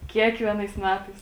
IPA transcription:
ˈkʲiɛkʋʲiɛnɐɪs ˈmʲæːtɐɪs

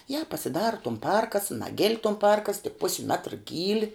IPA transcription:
jɛ pɐsʲɪˈdɑːrɐ tʊm ˈpɐrkɐs ˈnɑːɡʲɪlʲ tʊm ˈpɐrkɐs tʲɪk ˈpʊsʲɪ ˈmʲæːtrɐ ˈɡʲiːlʲɪ

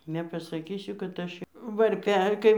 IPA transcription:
nʲɛpɐsɐˈkʲiːsʲʊ kɐt ˈɐʃ ʋɐrʲˈpʲɛ ˈkɐɪ

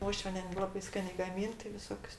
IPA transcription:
ˈuɔʃʲʋʲiɛnʲɛ ˈlˠɑːbɐɪ ˈskɑːnʲeː ɡɐˈmʲɪn tɐɪ ʋʲɪˈsoːkʲʊs

